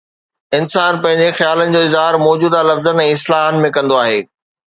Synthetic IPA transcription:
ɪnsaːnpɐ̃ɦɪ̃ɲd͡ʑexjaːlənɪ̆d͡ʑoːɪzɦaːɾmɔːd͡ʑuːd̪alɐfzənɛ̃ːɪslaːɦənmẽkɐ̃nd̪oaːɦeː

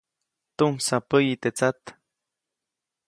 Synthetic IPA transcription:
t̪umsapəjit̪et͡sat̪

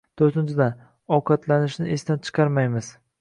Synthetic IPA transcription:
t̪ʰoɾt̪ɪnt͡ʃʰɪd̪an | ɒqʰɑt̪ʰlanɪʃnɪʔest̪ant͡ʃʰɨ̥qʰɑɾmajmɪz̥

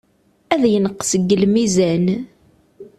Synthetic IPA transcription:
æðjənəqːsəɡːəlmizæn

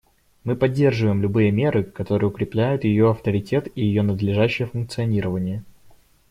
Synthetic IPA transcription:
mɨpɐdʲːe̞rʐɨvəjɪmlʲʊbɨjəmʲe̞ɾɨkɐt̪o̞ɾɨjəʊkɾʲɪplʲæjʊt̪jɪjoɐft̪əɾʲɪtʲʰe̞t̪ijɪjonəd̪lʲɪʐæɕːɪjəfʊnk̚t̪sɨɐnʲiɾəvənʲɪjə

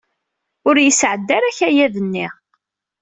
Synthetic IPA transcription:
ʊɾjəsʕəd̪ːæɾæçæjæðənːi

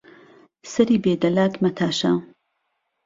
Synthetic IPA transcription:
sɐɾiːbeːd̪ɐlaːkmɐt̪ʰaːʃa

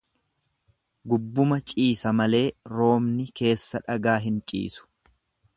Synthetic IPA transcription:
ɡʊbːʊmɐt͡ʃʼiːsɐmɐle̞ːɾo̞ːmnɪke̞ːsːɐᶑɐɡaːɦɪnt͡ʃʼḭːsʊ̥

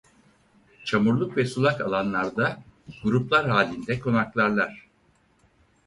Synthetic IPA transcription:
t͡ʃʰamuɾlˠukvɛsulˠakalˠanlˠaɾd̪aɡ̥uɾuplˠaɾɦaːlʲind̪ɛkʰo̞naklˠaɾlˠaɾ̝̥

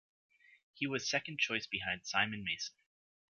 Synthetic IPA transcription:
hiwʌz̥sɛkɨ̃n̩t͡ʃʰɔɪsb̥ɨɦãɪ̃nd̥sãɪ̃mɨ̃nmeɪsn̩

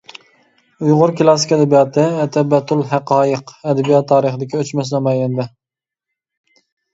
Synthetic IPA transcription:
ujʁʊɾkʲʰilˠɑsɪ̥kʲɛd̪ɛbijɑːt̪ʰɨɛt̪ʰɛbɛt̪ʰulˠɦæqɑːjəqɛd̪ɛbijɑt̪ʰːɑːɾəχəd̪ɪkʲiøt͡ʃmɛs̬nɑmɛjɛnd̪ɪ

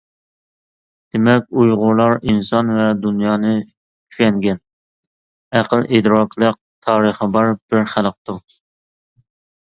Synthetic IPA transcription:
d̪̥emɛkʲujʁʊɾlˠɑɾinsɑnvɛd̪unjɑːnɨ | t͡ʃʰy̥ʃɛŋɡʲɛn | æqəlˠʔed̪ɾɑkʲlˠəq̚t̪ʰɑːɾəχəbɑɾb̥ɪɾχælˠq̚t̪uɾ

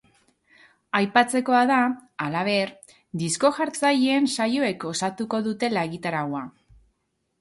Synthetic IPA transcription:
ajpat͡se̞ko̞aðaalaβ̞e̞ɾ | d̪isko̞ʝaɾt͡sajeːnsajo̞e̞ko̞sat̪uko̞ðut̪e̞laeɣit̪aɾawa

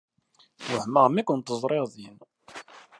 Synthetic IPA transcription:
wəhməʁmækʷʊnt̪ːəzˤɾˤeʁðin

